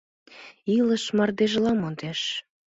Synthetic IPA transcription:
iləʃmɑrd̪eʒlɑmond̪eʃ

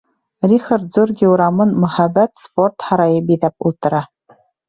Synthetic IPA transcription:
rʲixart̪zurɡʲiuɾɑmɤnmɵ̆χæbæt̪sport̪χɑɾɑjɤbidæp̚ṵlˠt̪ɤ̆ɾɑ

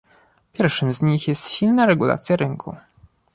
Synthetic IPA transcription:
pʲjɛɾfʂɘmzɲixjɛst̪ɕilnaɾɛɡula̰t̪sʲjaɾɘŋkʰṵ

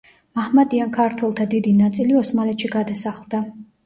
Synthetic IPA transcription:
mahmad̪iankʰaɾt̪ʰwɛlˠt̪ʰad̪id̪inat̪sʼiliɔsmalɛt̪ʃiɡad̪asaχlˠd̪a

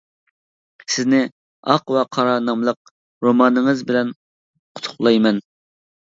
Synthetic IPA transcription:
sɪznɪ | ɑqvɛqʰɑɾɑnɑmlˠəq̚ | ɾomɑnɨŋəzbɪlɛn | qʰʊ̥t̪ʰʊ̥χlˠɑjmɛn

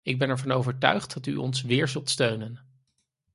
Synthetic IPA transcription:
ɪɡ̚bɛnɛɹvɑnowvəɹtœ̰ɥχt̚dɑty̰ʔɔ̰nsʋɪːɹzɵlˠtstøɥnən

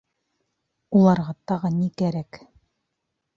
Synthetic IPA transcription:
ulˠɑɾʁɑt̪ɑʁɤnikæɾæk

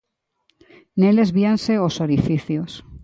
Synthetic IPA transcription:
nelezβianseosoɾifiθjos

